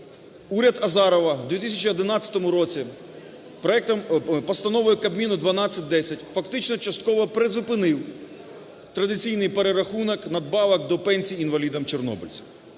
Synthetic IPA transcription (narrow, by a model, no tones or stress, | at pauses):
uɾʲɐd̪ɐzɑɾɔʋɐwd̪ʲʋʲit̪ɪsʲɐt͡ʃiɔd̪ɪnɑt͡sʲːɐ̥t̪ɔmʊɾɔt͡sʲi | pɔɛpɔst̪ɐnɔʋʊjʊkɐbmʲinʊd̪ʋɐnɑt͡sʲːɐt̚ʲd̪ɛsʲɐtʲfɐkt̪ɪt͡ʃnɔt͡ʃɐst̪kɔʋɔpɾezʊpɪnɪw | t̪ɾɐd̪ɪt͡sʲijnɪjpeɾeɾɐxunɔknɐd̪̚bɑʋɐkd̪ɔpɛnʲsʲijinʋɐlʲid̪ɐmt͡ʃernɔ̰bɪlʲt͡sʲi̥